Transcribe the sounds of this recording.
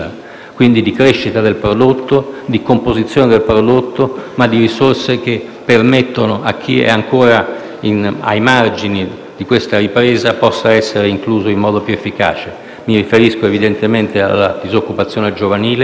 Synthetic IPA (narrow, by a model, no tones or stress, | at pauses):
a | kwind̪id̪ikɾeʃːit̪ad̪elpɾod̪ot̪ːod̪ikompozit̪sːjoːned̪elpɾod̪ot̪ːomad̪ːiɾisorsek̟e | pːermet̪ːonoʔak̟ʰːiɛ̰aŋkoːɾa | ina̰jmard͡ʒini | d̪ikwest̪aɾipɾeːzapɔsːaɛsːeɾeiŋkluːzoimmːɔːd̪opjuefːika̰ːt͡ʃe | miɾifeɾiskoevid̪ent̪ement̪ea̰lːa̰d̪izokːupat̪sːjoːned͡ʒovaniːle